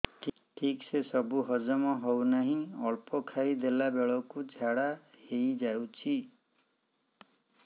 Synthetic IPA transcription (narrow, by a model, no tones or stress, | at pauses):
ʈʰiksesɔbuɦɔd͡ʒɔmɔɦɔwnaɦĩɔɭpɔkʰaid̪elabeɭɔkud͡ʒʱaɽa | hejd͡ʒawt͡ʃʰi